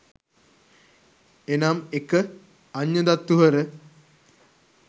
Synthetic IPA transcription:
enaːmekːɨ | ɐɲːɐd̪ɐt̪ːuɦɐɾɨ

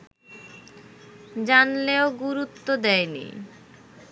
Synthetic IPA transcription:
d͡ʑanleoɡuɾut̪ːod̪ɛjnḭ

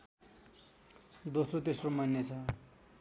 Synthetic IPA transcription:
d̪osrot̪esromʌnjʌt͡sʰʌ

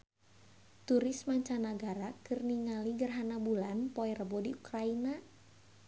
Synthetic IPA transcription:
t̪uɾɪsmaɲt͡ʃanaɡaɾakɨrniŋaliɡərɦanabulanpɔɛrəbɔdiukɾaina

